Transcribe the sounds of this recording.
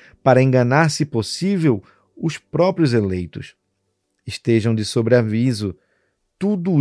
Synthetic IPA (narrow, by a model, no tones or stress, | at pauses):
paɾɐẽŋɡɐnaɾsɪposivew | ʊspɾɔpɾjʊzelejt̪ʊs | ɪʃt̪eʒɐ̃w̃d͡ʒɪsobɾɪavizʊ | t̪ud̪ʊ